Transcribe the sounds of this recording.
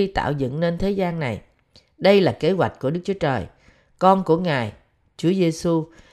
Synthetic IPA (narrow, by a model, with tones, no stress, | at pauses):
i˧t̪a̰ː˧˨wzɨ̰˧˨ŋne˧nt̪ʰe˨˦zaː˧nːa˨˩j | ɗə˧jlaː˨˩ke˨˦ɦwa˨˩jk̟̚ku˧˩əɗɨ˦˥k̚t͡ɕu˨˦t͡ɕəː˨˩j | kɔ˧nku˧˩əŋaː˨˩j | t͡ɕu˨˦əze˧su˧